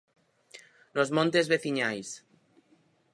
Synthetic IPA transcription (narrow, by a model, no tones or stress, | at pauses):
lozmõnt̪ezβeθiɲajs